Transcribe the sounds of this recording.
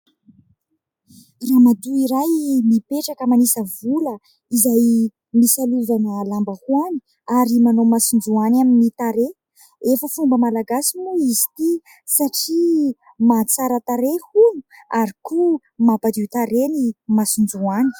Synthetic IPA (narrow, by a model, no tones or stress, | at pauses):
ramat̪uiɾajmipeʈ͡ʂakəmanisəvulə | izaj | misaluvanəlambəhuani̥ | aɾimanomasund͡ʒuanaminit̪aɾe | efəfumbəmalaɡasinuizi̥t̪i | saʈ͡ʂi | mat͡saɾət̪aɾehunuaɾiku | mapad̪it̪aɾenimasund͡ʒuani̥